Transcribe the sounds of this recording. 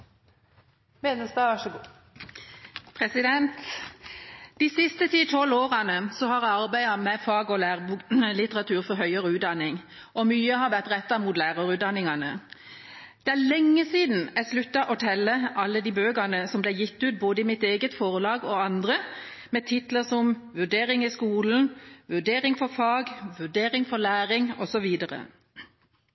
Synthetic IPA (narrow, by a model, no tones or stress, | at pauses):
meːnəsd̪ɑʋɑʂəɡ | pʰʁɛsɪd̪ɛnt̪ | d̪̥iːsɪst̪ət̪ʰiːt̪ʰɔloːʁɑnəsɔhɑʁæɑʁbæɪɑmɛfɑːɡɔlæːʁbulɪt̪əʁɑt̪ʰʉːʁfɔɾɦœʏəʁəʉːt̪̚d̪ɑnɪŋ | ʔɔmyːəhɑʁʋæʁt̪ʁɛt̪ːɑmuːt̪læːʁɑʁʉːt̪d̪ɑnɪŋɑnə | d̪̥ɛælɛŋːəsiːd̪n̩æslʉt̪ːɑʔɔt̪ʰɛlːəʔɑlːəd̪iːbøːɡɑnəsɔmblɛɪjɪt̪ːʉːt̪̚boːd̪əɪmɪt̪eːɡət̪fɔʁlɑːɡɔɑnd̪ʁə | mɛt̪ʰɪt̪ləsɔmʋʉɖ̪eːɾɪŋɪskuːln̩ʋʉɖ̪eːɾɪŋfɔɾfɑːɡʋʉɖ̪eːɾɪŋfɔlæːʁɪŋɔsɔʋiːd̪əʁə̰